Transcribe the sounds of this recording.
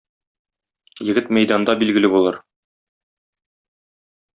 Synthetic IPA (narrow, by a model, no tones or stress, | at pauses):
jɘ̆ɡɘt̪mæjd̪ɑnd̪ɑbilɡɘ̆lɘbulˠɤɾ